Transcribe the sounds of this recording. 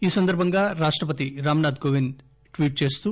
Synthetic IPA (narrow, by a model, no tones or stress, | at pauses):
iːsɐnd̪ɐɾbʱɐŋɡaːɾaːʂʈɾɐp̬ɐt̪iɾaːmɐnaːd̪ɡoːʋind̪ | ʈʋiːʈ̚t͡ʃe̞ːst̪uː